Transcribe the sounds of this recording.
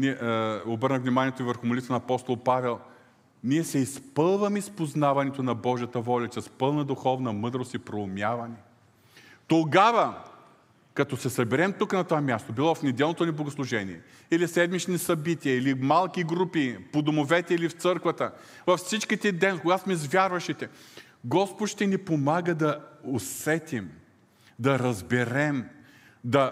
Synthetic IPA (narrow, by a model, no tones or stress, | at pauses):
niɛobɤɾnəvnimaniɛt̪oivəɾxʊmʊlit̪vənɐːpɔst̪olˠpavɛlˠ | niɛsɛispɤlˠvɐmɛispoznavɐnɛt̪onɐbɔʒijət̪əvɔlʲɐt͡ʃɛspɤlˠnɐd̪ʊxɔvnɐmɤd̪ɾost̪ipɾoʊmʲjavɐnɛ | t̪oɡavɐ | kɐt̪ɔsɛsɐbɛɾɛmt̪uknɐt̪ovamʲjast̪obilˠɔfnɛd̪ɛlˠnot̪oniblˠoɡʊslˠʊʒɛnḭɛ | ilisɛd̪mit͡ʃnisɐbit̪iɐilimalˠkiɡɾupipod̪omovɛt̪ɛilift̪sɤɾkvət̪ə | vɐfsit͡ʃkit̪ɛd̪ɛnkoɡat̪omizvʲjaɾvɐʃit̪ɛ | ɡɔspʊt̪ʃt̪ɛnipomaɡəd̪ɐosɛt̪im | d̪ɐɾɐzbɛɾɛm | d̪ɐ